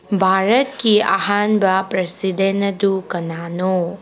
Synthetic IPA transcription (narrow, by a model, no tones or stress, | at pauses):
bʱaɾət̪̚kia̰ɦanbapɾɐsidenɐdukɐnano